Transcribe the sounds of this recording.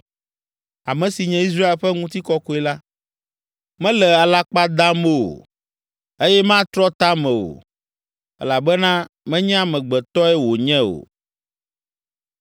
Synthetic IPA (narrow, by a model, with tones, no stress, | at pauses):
a˨mɛ̃˨si˨ɲɛ̃˦i˦s̬ɾa˦e˨lɸɛ˦ŋũ˦t̪i˦kɔ˦ko˦ɛ˨la˦ | mɛ̃˦lɛ˨a˨la˦k͡pa˦d̪a˦mo˦˨o̰˨ | e˦jɛ˦mã˦t̪ɾɔ˦t̪a˦mɛ̃˨o̰˨ | ɛ̰˦la˨bɛ˦nã˦ | mɛ̃˦ɲɛ̃˦a˨mɛ̃˨ɡ͡bɛ˨t̪ɔ˦ɛ˦wo˨ɲɛ̃˦o̰˨